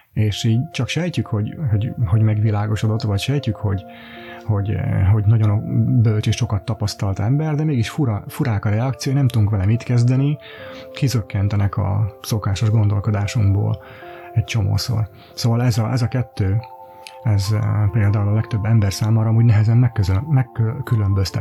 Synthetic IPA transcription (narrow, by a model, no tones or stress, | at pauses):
eːʃiːɟt͡ʃɒkʃɛjcykho̞ɟho̞ɟho̞ɟmɛɡʋilaːɡo̞ʃo̞d̪o̞t̪vɒcʃɛjcykho̞ɟ | ho̞ɟɦo̞ɟnɒɟo̞nobølt͡ʃeːʃʃo̞kɒt̪ːɒpɒst̪ɒlt̪ɛmbɛrd̪ɛmeːɡiʃfuɾɒfuɾaːkɒɾɛɒkt̪sijojnɛmt̪ud̪uŋkʋɛlɛmiːt̪kɛzd̪ɛni | kizøkːɛnt̪ɛnɛkʰɒ̰so̞kaːʃo̞ʒɡo̞nd̪o̞lko̞d̪aːʃuŋbo̰ːl | ɛct͡ʃo̞mo̰ːso̰r | soːvɒlɛzɒʔɛzɒkɛt̪ːøː | ɛzpeːld̪aːulɒlɛk̚t̪ø̞bːɛmbɛrsaːmaːɾɒːmuːɟnɛɦɛzɛnːɛkːøzmɛkːøkːylømbøst̪ɛ̰